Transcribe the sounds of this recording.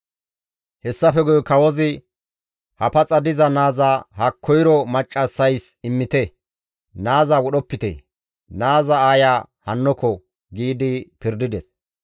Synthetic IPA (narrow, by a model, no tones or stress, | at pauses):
hɛsːɐfɛɡɔjkɐwɔzɪ | hɐpɐt͡sʼɐd̪ɪzɐnaːzahɐkʰːɔjɾɔmɐt͡ʃʼːɐsːɐjsɪmːɪt̪ɛ | naːzɐwɔɗɔpːɪt̪ɛ̰ | naːzɐaːjaː | hɐnːɔkɔ | ɡiːd̪ɪpɪɾd̪ɪd̪ɛs